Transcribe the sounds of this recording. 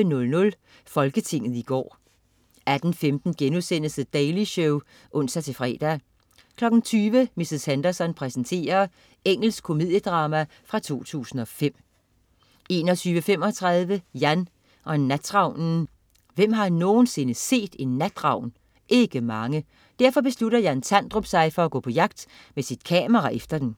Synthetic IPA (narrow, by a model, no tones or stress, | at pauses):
ənɔ̽lnɔ̽l | fɒ̽lɡ̥ət͡sʰe̝ŋ̰ð̩ˠiɡ̥ɒ̰ː | æd̥n̩femd̥n̩ɡ̥enusen̰əsəd̥ɛɪliɕɔʊ | ʔɔ̽n̰sæt͡sʰe̝fʁɛ̰ːd̥æ | kʰlɒ̽ɡ̥n̩t͡sʰyːʋəmisəshænd̥ɐsɒ̽npʰʁɛsən̩t͡sʰe̝̰ːɐ | eŋ̰l̩s̚kʰo̝mið̰ˠjəd̥ʁɑ̈ːmæ | fʁɑ̈t͡sʰo̝̰ːt͡sʰṵːsn̩ɒ̽fem̰ | e̝ːnɒt͡sʰyːʋəfem̰ɒ̽t͡sʰʁɑð̞ˠʋəjæn | ʔɒ̽nːæd̥̚t͡sʁɑ̈ʊ̰nn̩ | ʋem̰ɦɑ̈no̝ːn̩se̝nəse̝̰ːd̥e̝nːæd̥ʁɑ̈ʊ̰n | e̝ɡ̥əmɑ̈ŋə | d̥æɐ̰fɒ̽b̥e̝sluɾ̥ɐjænsʰænd̥ʁɔb̥sɑ̈ɪfɒ̽æɡ̥ɔ̰̽ːpʰɒ̽jɑ̈ɡ̥d̥ | mesid̥̚kʰɛːmɐʁɑ̈ʔefd̥ɐd̥en